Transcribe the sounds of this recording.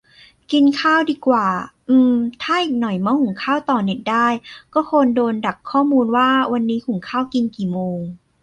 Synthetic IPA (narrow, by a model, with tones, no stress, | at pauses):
ki˧nkʰaː˥˩wdiː˧kwaː˨˩ʔɯː˧mt̪ʰaː˥˩ʔiː˨˩k̚nɔ˨˩jmaː˧hu˨˩˦ŋkʰaː˥˩wt̪ɔː˨˩ne˨˩t̪̚daː˥˩jkɔː˥˩kʰo˧ndoː˧nda˨˩k̚ʰːɔː˥˩muː˧nwaː˥˩wa˧nːiː˦˥kʰu˨˩˦ŋkʰaː˥˩wki˧nkiː˨˩moː˧ŋ